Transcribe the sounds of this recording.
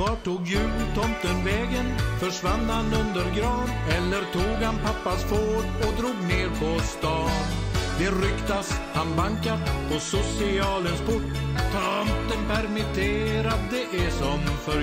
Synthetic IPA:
vɑʈʰuːɡjʉ̟ːlt̪ʰɔmt̪ənvɛːɡənfœʂvanːhanɵnd̪əɾɡɾɑːnɛlːəɾt̪ʰuːɡhanpʰapːasfoːɾɔd̪ɾuːɡneːɾpʰɔst̪ɑːn | d̪ɛɾʏkt̪ashanbaŋkat̪pʰɔsʊsɪɑːlənspʊʈː | t̪ʰɾamt̪ənpæɾmɪt̪ʰeːɾat̪d̪ɛʔæsɔmfœ

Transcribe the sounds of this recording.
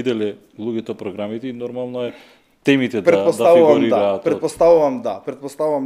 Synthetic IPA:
id̪ɛlɛ | lˠuɡɛt̪ɔpɾɔɡɾamit̪ɛinɔɾmalˠnɔɛ | t̪ɛmit̪ɛpɾɛt̪pɔsd̪at̪avuvaɾid̪aatp̪ɾɛpɔst̪avuvamd̪apɾɛt̪̚pɔst̪auvam

